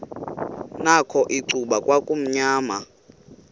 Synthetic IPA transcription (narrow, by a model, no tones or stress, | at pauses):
nakʰɔʔiǀuɓakʼwakʼum̩ɲaːma